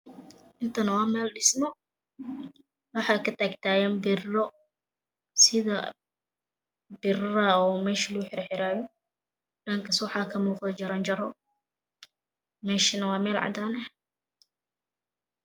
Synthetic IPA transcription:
ʔɪnt̪ʰɐnɐwɑːmɛːlɖɪsmɔ | wɑħɑːkʰɐt̪ʰaːɡt̪ʰaːjɛːmbɪrɔ | sɪðɐ̰ | bɪrɐɔːmɛːʃɐlɡuħɪɾɛħɪɾaːjɔ | ɖɐːŋkʰɐswɑħɑːkʰɐmuːqd̪ɐt͡ʃɐɾaːnd͡ʒɐɾɔ | mɛːʃɪnɐwɑːmɛːlʕɑ̰d̪aːnɐ

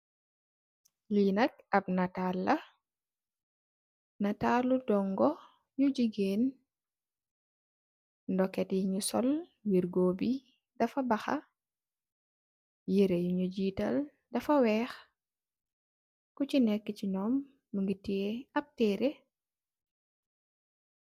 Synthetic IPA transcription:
linɐk̚ɐb̚natalːɐ | nɐtaːludɔŋɡɔ | jud͡ʒiɡeːn | ndɔkːɛtjiɲusɔlwiɾɡoːbi | dɐfɐbɐxɐ̰ | jiɾejuɲuɟiːtɐl | dɐfɐwɛːx | kucinɛkːəcinɔmː | əŋɡitieɐp̚tɛːɾe

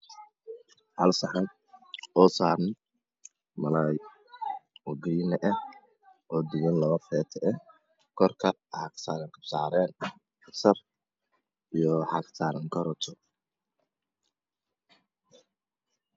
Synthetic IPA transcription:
hɐlsɐħɐn | ɔːsaːɾnɛ | mɐlaːj | ɔːɡɾiːnɛʔɐ | ʔɔːd̪ɪwɐnlɐβɐfɛːt̪ʰɛʔɛ | kʰɔrkʰɐ | ħɑksaːɾɐŋkʰɐbsaːɾɛːn | ɐsɐr | ijɔħɑksaːɾɐŋkʰɐɾɔt͡ʃ̪ʰɔ

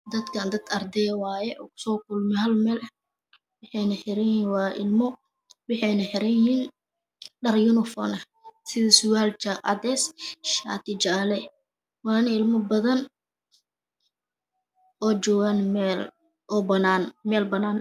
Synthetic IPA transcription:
d̪ɐd̪kʰɐnd̪ɐd̪̚ʰɐrd̪ɛjɐwaːjɛʔɔːkʰʊ̥sɔːkʊlmɛhɐlmɛːlɐ | wɑħɛjnɐħɪɾɐjhiːnwɑːʔɪ̰lmɔ | wɑħɛjnɐħɪɾɐjhiːn | ɖɐrjʊnɪfɔ̰ːnɐ | sɪðɐsʊwaːlt͡ʃaɑ̰d̪ɛːsʃa̰ːt̪ʰɪt͡ʃaːlɛ | wɑːnɐɪlmɔbɐðɐn | ʔɔːt͡ʃɔːɣanl | ɔːbɐnaːnmɛːlbɐnaːn

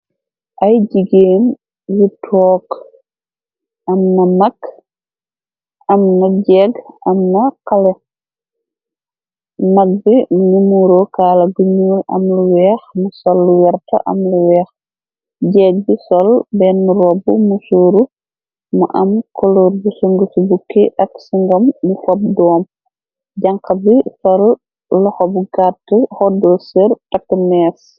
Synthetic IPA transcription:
ʔɐjɟiɡeːm | jitʰɔːk | ʔɐmnɐmak | ɐmnɐɟɛɡʔɐmnɐkalɛ | maɡ̚bimuɲumuɾokaːlɐɡuɲuːlɐ̰mluwɛːxmusɔlːuwɛɾta̰ʔɐ̰mluwɛːx | ɟɛːt̚bisɔlbɛnːuɾɔbumusuːɾu | muʔɐmkɔloːrbusuŋɡusubukːiʔɐksiŋɡɐmːufɔp̚dɔːm | ɟɐŋkɐbisɔlː | ɔxɔbuɡatihɔdɔsirtɐkːmɛːs

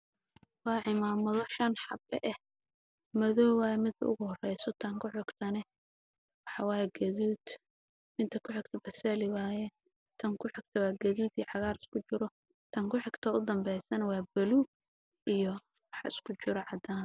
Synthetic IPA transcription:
wɑːʕɪmaːmɔðɔʃɐnħɑbɛ̰ʔɛh | mɐðɔːwaːjɛmɪd̪ɐ̰ʊ̰ɣʊhɔrɛjsɔt̪ʰɐŋkʰʊħɪɡt̪ʰɐnɛ | wɑħɑwɑːjɛɡɐðuːd̪̥ | mɪt̪ʰɐkʰʊħɪɡt̪ʰɐbɐsɐlɪwaːjɛ | t̪ʰɐŋkʰʊħɪɡ̚t̪ʰɐwɑːɡɐðuːd̪iːʕɑɣaːɾɪskʰʊt͡ʃɪɾɔ | t̪ʰɐŋkʰʊħɪɡ̥t̪ʰɐʊd̪ɐmbɛjsɐnɛwɑːbɐlu | ʔijɔ | wɑħɑ̰ɪskʰʊt͡ʃɪɾɔʕɑd̪aːn

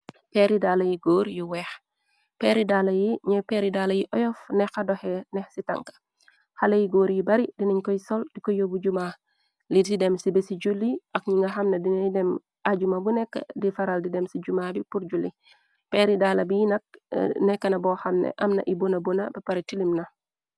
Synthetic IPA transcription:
pɛɾidalɐjiɡoːɾjiwɛːx | pɛɾidaːlɐjiɲɛpɛɾidaːlɐjiʔɔjɔfnɛxɐdɔhɛnɛxsitɐ̰ŋkɐ̥ | xɐlɐjiɡoːɾjibɐɾidiniɲkɔjisɔld̥ikɔjobuɟuma | lididɛmsibesiɟulːiʔɐkɲiŋɡɐxɐmnɐdinɐdɛm | aɟumabunɛkːə̰difɐɾaldidɛmsiɟumabipuɾɟulːi | pɛɾidalɐbijinɐk̚nɛkːɐnɐbɔxɐmnḛʔɐmnɐ̰ʔibunɐbunɐbɐpɐɾitilimnɐ

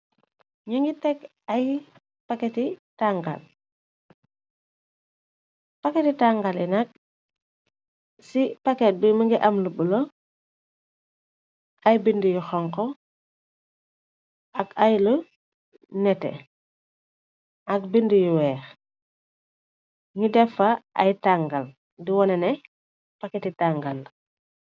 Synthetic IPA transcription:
ɲuŋɡitɛk | ɐj | pakɛtitaŋɡa̰l | pɐkɛtitaŋɡalɛnɐk̚ | sipakɛt̚bimɐŋɡiʔɐmlubulɔ | ɐjbindijuxɔŋkɔ | ʔɐkajlu | nɛtɛ̰ | ʔɐk̚bindijuwɛːx | ɲudɛfɐʔa̰jtaŋɡal | diwɔnɛnɛ | pakɛtitaŋɡal

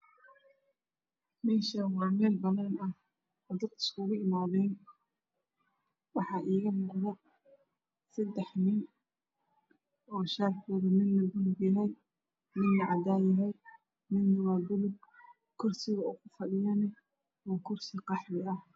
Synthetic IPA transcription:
mɛːʃɐwɑːmɛːlbɐnaːnɐh | d̪ɐd̪ɪ̥skʊɣʊʔɪmaːðɛːn | wɑħɑːʔiːɣɐmɑqðɐ | sɐd̪ɛħnɪn | ʔɔːʃaːrkʰɔːðɐmɪnlɐb̪ʊlʊɡjɪɦɛj | mɪnlɐʕɑd̪aːjɐɦɛj | mɪnːɐwaːb̪ʊlʊɡ | kʰʊrsɪɣɐukʰʊfɐɖɪjaːnɛ | ɔːkʰʊrsɪqɑħbɪʔɐh

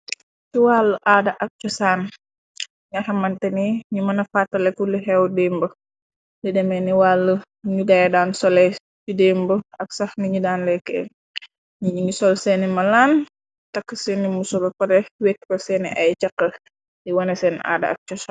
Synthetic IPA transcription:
t͡ʃuwaːlːəʔaːdɐʔɐk̚t͡ʃɔsaːn | ŋɐhɐmːɐntɛniɲumɐnɐfatːɐlɛkːuliɦɛwdeːmbə | lidɛmɛniwaːlːə | ɲudɐjɛdaːnsɔlɛ | t͡ʃudembəɐk̚sɐhniɲudaːnlɛkːɛ̰ | ɲɲŋɡisɔlsɛnimɐlaːn | tɐkːəsɛnimusɔlɐpɐɾɛwekːkɔsɛniʔɐjt͡ʃɐkːɐ | jiwɐnɐsɛna̰ːdɐ̰ʔɐ̰k̚t͡ʃɔsan

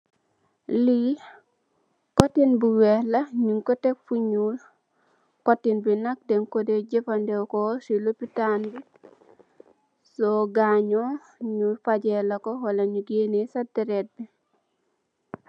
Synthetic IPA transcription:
li | kotinbiwɛlɐɲuŋkotek̚fuɲul | kotːinbinak̚deŋkodeɟepandewkosilopitanbi | soɡaɲo | ɲufaɟelɐkowalɐɲuɡenesadiɾet̚bi

